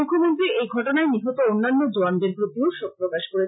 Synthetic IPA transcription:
ukʰːomont̪ɾiejɡʱɔʈonaeniɦot̪oonːanːod͡ʑoanɖeɾpɾot̪ioʃok̚pɾokaʃkoɾe

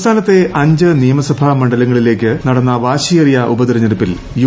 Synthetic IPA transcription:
st̪ʰaːnɐt̪ːe̞ʔɐɲd͡ʑɨnijɐmɐsɐbʱɐmɐɳɖɐlɐŋːɐɭile̞ːkːɨnɐɽɐnːɐʋaːɕijeɐrijɐʔubɐd̪iɾɐɲːɐɾupːil | ju

